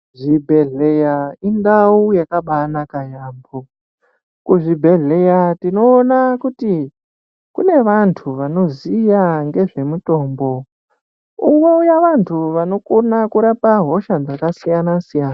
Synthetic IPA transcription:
ʐibʱe̞ɮejaindaujakaɓanakajaːmbo | kuʐibʱe̞ɮe̞jatino̞ːnakuti | kṵne̞ʋantʰuʋano̞zijaŋɡe̞ʐe̞muto̞ːmbo̞ | uŋɡweujaʋantʰuʋano̞konakuɾapaɦo̞ʃad͡zakasijanasijaːna

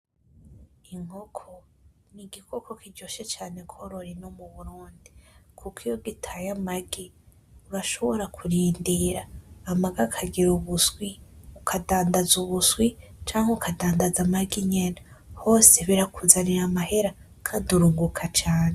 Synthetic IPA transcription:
iŋ̥ho̞kʰoniɡikʰo̞kʰo̞kiɟoʃe̞t͡ʃaːne̞kʰo̞ɾo̞ɾinomuβuɾuːndikʰukijo̞ɡitʰajamaɡi | uɾaʃo̞βo̞ɾakʰuɾiːndiɾaːmaɡakʰaɡiɾuβusɡwiukʰadaːndazuβuswit͡ʃaːŋheukadaːndazamaɡiɲenaho̞ːse̞βiɾakuzaniɾamahe̞ɾa | kʰaːnduɾuːŋɡukʰat͡ʃaːne

